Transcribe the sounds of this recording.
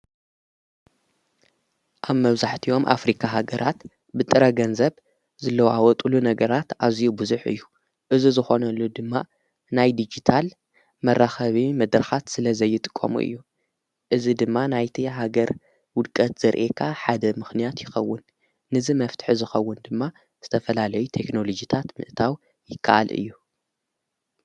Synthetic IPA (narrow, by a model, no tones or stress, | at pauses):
ʔaβmɐβzaħt̪ʰio̞mʔa̰fɾikʰaɦaɡɐɾʔat̪ | bɨt̪ʼɨɾɐɡɐnzɐβ | zɨlːɐwʔawɔt̪ʼulunɐɡɐɾat̪ʔazijubɨzuħɨ̰jːu | ʔɨzizɨxo̞nɐlːod̪ɨmːa | najd̪id͡ʒit̪ʰal | mɐrːaxɐβimɐd̪ɾɐxat̪sɨlɐzɐjːɪt̪ʼɨ̥kʼːɐ̰mṵʔɨ̰jːu | ʔɨzid̪ɨmːanajt̪ʰiɦaɡɐɾ | wʊd̪kʼɐt̪z̥ɐɾʔekʰaħad̪ɐmɨxnijat̪jɪxɐwːʊnː | ɨzimɐft̪ʰɨ̥ħizɨxɐwːʊnd̪ɨmːa | z̥ɨt̪ʰɐfɐlalɐjut̪ʰe̞kno̞lo̞d͡ʒit̪ʰat̪mɨ̰ʔt̪ʰaw | jɪkʰːa̰ʔa̰lʔɨ̰jːu